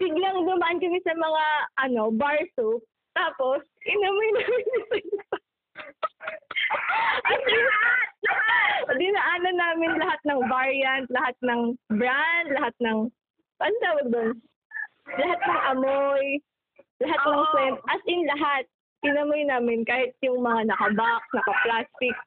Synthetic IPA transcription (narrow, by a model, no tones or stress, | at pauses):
b̥ɪɡlɐŋd̪ʊmaʔɐnkɐmɪsɐmɐŋaʔɐno̞baɹsop | t̪aːposkɪnɐmojnaːmɪnɪsɛn | ʔɐsɪ | d̪ɪnaʔaːnɐnaːmɪnlɐhat̪̚nɐŋvaɹiɐnt̪̚lɐhat̪̚nɐŋbɾand̪lɐɦat̪̚nɐŋ | banot̪aːwɐɡ̚d̪on | lɐhat̪̚nɐŋʔɐmoj | lɐɦat̪̚nɐŋsɛnt̪̚ʔɐsɪnlɐɦat̪̚ | kɪnɐmojnaːmɪnkaːhɪt̪̚jʊŋmɐŋanɐkɐbak̚nɐkɐplaːst̪ɪk̚